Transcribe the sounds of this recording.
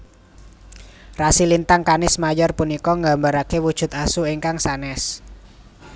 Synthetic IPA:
rasilint̪aŋkanɪsmajɔrpunikɔŋɡambaɾakewud̥ʒ̥ʊ̤t̪asuiŋkaŋsanɛs

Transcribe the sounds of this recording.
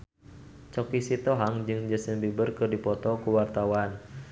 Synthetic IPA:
t͡ʃɔkisit̪ɔɦaŋd͡ʒɨŋd͡ʒəsəŋbibərkɨrdipɔt̪ɔkuwart̪awan

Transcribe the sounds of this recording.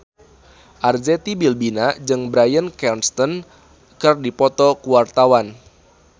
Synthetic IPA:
ʔard͡ʒɛt̪ibilbinad͡ʒɨŋbɾajənkɛrnst̪ɔn | kərdipɔt̪ɔkuwart̪awan

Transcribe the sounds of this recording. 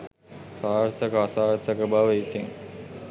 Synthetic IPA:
saːɾt̪əkəasaːɾt̪əkəbaʋəit̪iŋ

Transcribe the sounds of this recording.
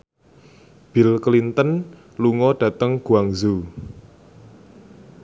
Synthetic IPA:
b̥ilklint̪ən | luŋɔɖ̥a̤t̪əŋɡ̥uaŋzu

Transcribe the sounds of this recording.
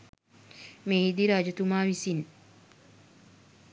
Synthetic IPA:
meːɦid̪iɾaːd͡ʒɐt̪umaːʋisin

